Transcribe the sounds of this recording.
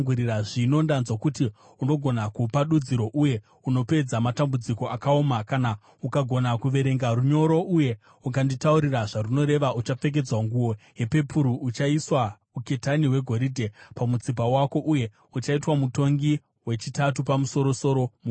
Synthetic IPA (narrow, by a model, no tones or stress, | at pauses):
ɡuɾiraʐino̞ndanzwakuti | uno̞ɡʱo̞nakupaɗud͡ziɾo̞ʔuje̞ | uno̞pe̞d͡zamatambud͡ziko̞ʔakaomakana | ukaɡʱo̞nakuʋe̞ɾe̞ŋɡaɾuɲo̞ɾo̞ʔuje̞ | uk̬anditauɾiraʐaruno̞ɾe̞ʋaut͡ʃap͡fe̞k̬e̞d͡zwaŋɡuwo̞ɦe̞pe̞puɾuʔut͡ʃaiswa | uke̞taniwe̞ɡʱo̞ɾidʱe̞pamut͡sip̬awako̞ʔuje | ut͡ʃaitwamuto̞ŋɡi | we̞t͡ʃitatupamuso̞ɾo̞so̞ɾo̞mu